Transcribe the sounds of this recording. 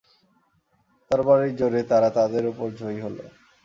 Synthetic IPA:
t̪aɾbaɾikd͡ʑoɾet̪aɾat̪ad̪eɾupoɾd͡ʑʱojɦolo̰

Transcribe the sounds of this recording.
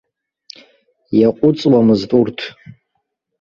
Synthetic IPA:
jaqʷʼʊt͡sʼwamɨztʼurtʰ

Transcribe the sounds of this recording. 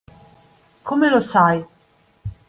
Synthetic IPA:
kʰomelosaj

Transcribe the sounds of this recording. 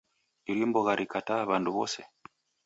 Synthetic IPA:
iɾimbɔɣaɾʔikataβanduβɔsɛ

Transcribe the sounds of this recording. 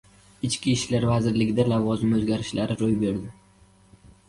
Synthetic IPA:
ɪt͡ʃkʲiʃlaɾvazɪɾlɪɡʲɪd̪alavɒzɪmɵzɡʲaɾɪʃlaɾɪɾojbe̞ɾd̪ɪ

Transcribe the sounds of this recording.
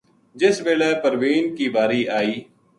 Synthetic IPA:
d͡ʒɪsʋeːlɛːpəɾʋiːnkiːbaːɾiːʔaːiː

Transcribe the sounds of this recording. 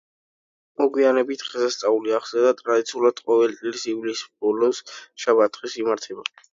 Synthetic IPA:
mɔɡwianɛbit̪ʰχɛsast̪sʼauliaʁsɛd̪at̪ʼɾad̪it̪sʰiulˠad̪̥qʼɔvɛlt̪ʼiɾisivlisbɔlɔnsʃabat̪ʼχʼisimaɾt̪ʰɛba

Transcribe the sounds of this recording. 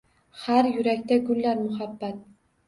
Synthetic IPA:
haɾjʊɾakʲt̪aɡʊlːaɾmʊhabːat̪̚

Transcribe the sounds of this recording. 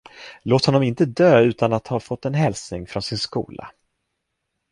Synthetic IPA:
loːt̪hɔnːɔmɪnt̪əd̪øːʉ̟ːt̪anat̪hɑːfɔt̪ːɛnɦɛlsnɪŋfɾɔnsɪnskṵːla̰

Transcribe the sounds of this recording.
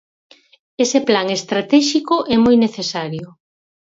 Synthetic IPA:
eseplaŋest̪ɾat̪ɛʃikʊʔɛmojneθesaɾjʊ

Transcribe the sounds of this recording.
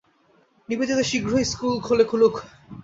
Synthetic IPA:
nibed͡ʑot̪eʃiɡɾoiskulkʰolekʰuluk

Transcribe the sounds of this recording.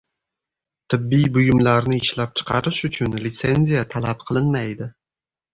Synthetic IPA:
t̪ʰɪbːijbʊjʊmlaɾnɪɪʃlap̚t͡ʃʰɨ̥qʰɑɾɪʃʊt͡ʃʰʊnlɪt̪se̞nʲzijat̪ʰalap̚qʰɨlˠɪnmajd̪ɪ

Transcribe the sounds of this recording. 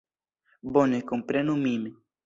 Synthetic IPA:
bonekompɾenumime

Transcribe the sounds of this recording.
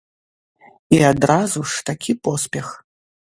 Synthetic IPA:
iad̪ɾazuʂt̪akʲʰipɔspʲɛx

